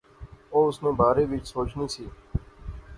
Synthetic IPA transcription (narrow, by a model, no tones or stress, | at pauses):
oːʊsnõːbaːɾeːʋɪt͡ʃsoːt͡ʃniːsiː